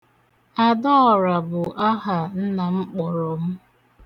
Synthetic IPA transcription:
a˨dɔ˦ɔ˨ɾa˨bʊ˨ʔa˦ɦa˨n̩˦na˨m̩˦k͡pɔ˨ɾɔ˨m̩˦

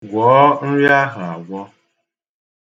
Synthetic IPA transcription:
ɡʷɔː˨˦n̩˦ɾja˦ɦʊ˨a˨ɡʷɔ˦

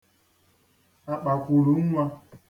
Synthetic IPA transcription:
a˨k͡pa˨kʷu˨ɾu˨˦ŋ̩˦ŋʷa˦

